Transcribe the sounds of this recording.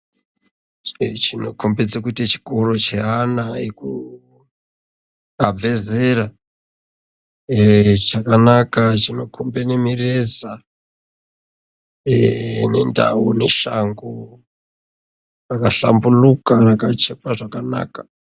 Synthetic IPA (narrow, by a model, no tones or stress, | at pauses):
t͡ʃino̞kʰo̞mbed͡zakuitat͡ʃi̥ko̞ro̞t͡ʃe̞ɦanaeku | ab͡ve̞ze̞ra | t͡ʃakanakat͡ʃino̞kʰombenemireza | ne̞̰nda̰une̞ʃaŋɡo | rakaɬa̰mbulukarakat͡ʃepaʐakana̰ːkḁ